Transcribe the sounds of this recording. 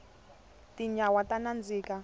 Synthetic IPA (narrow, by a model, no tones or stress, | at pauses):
tiɲawatanand͡ziːka